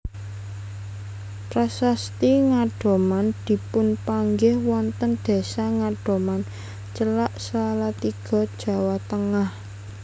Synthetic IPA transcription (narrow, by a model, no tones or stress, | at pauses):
pɾasast̪iŋaɖ̥o̤mand̪̥i̤pʊnpaŋɡɪhwɔnt̪ənɖ̪̥e̤saŋaɖ̥o̤man | t͡ʃəlaʔsəlalat̪iɡ̥ɔ̤d̥ʒ̥ä̤wat̪əŋah